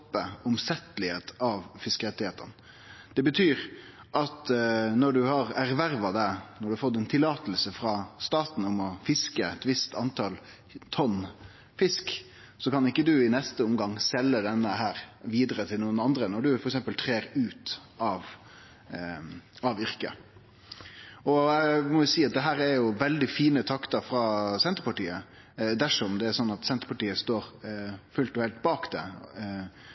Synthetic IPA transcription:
pːəʊmsɛt̪ːlɪheːt̪ɑʋfɪskɛt̪ɪheːt̪ə̰n | d̪̥ɛbət̪ʰyːɾ | ʔɑt̪nɔɖʉhɑɾæɾʋæɾʋɑd̪ænɔɖʉhɑfɔt̪ːɛnt̪ʰɪlːɑːt̪əlsəfɾɑst̪ɑːt̪n̩ʊmɔfɪskəɛ̰t̪ʋɪst̪ʰɑnt̪ʰɑl | t̪ʰɔn | fɪsk | sɔkɑnɪkːəd̪ʉɪnɛst̪əʊmɡɑŋsɛlːəd̪ɛnːəɦæːɾʋiːd̪əɾət̪ʰɪlnuːənɑnd̪ɾənɔɖʉfɔɾɛksɛmpəlt̪ʰɾeːɾʉːt̪ | ʔɑʋ | ɑʋʏɾkə̰ | ɔmɔjʊsiːɑt̪̚d̪ɛɦæːɾæɾjʊʋɛld̪ɪfiːnət̪ʰɑkt̪ɑɾfɾɑːsɛnt̪əɾpɑʈiːə | d̪æʂɔɔmd̪ɛæɾsɔnːɑt̪sɛnt̪əpɑʈiːəst̪oːɾfʉlt̪ɔhɛlt̪̚bɑːkd̪ɛ

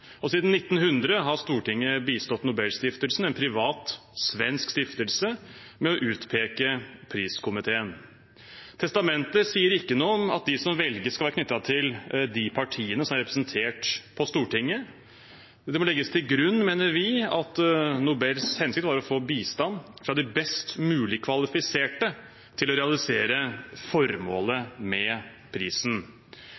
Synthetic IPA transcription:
ɔsiːd̪n̩ːɪt̪ːn̩hʉnd̪ɾəɦɑɾst̪uːʈɪŋːəbiːst̪ɔt̪nʊbɛlst̪ɪft̪əlsn̩ɛnpʰɾɪʋɑːt̪sʋɛnskst̪ɪft̪əlsə | mɛɔʔʉːt̪pʰeːkəpʰɾiːskʰʊmɪt̪ʰeːən | t̪ʰɛst̪ɑmɛnt̪əsiːəɾɪkːənuːɔmɑ̰t̪̚d̪ɪsɔmʋɛlɡəskɑlʋæːɾkʰnʏt̪ːɑt̪ʰɪld̪ɪpʰɑʈʰiːənəsɔmæɾɛpɾɛsnt̪ʰeːʈpʰɔst̪uːʈɪŋːə | d̪ɛmɔlɛɡːəst̪ʰɪlɡɾʉnːmeːnəɾʋɪɑt̪nuːbɛɾshɛnsɪk̚t̪hɑːɾɔfoːbiːst̪ɑnːfɾɑd̪ɪbɛst̪mʉːlɪkʰʋɑlɪfɪseːʈə | t̪ʰɪlɔɾɛɑlɪseːɾəfɔɾmoːləmɛ | pʰɾiːsn̩

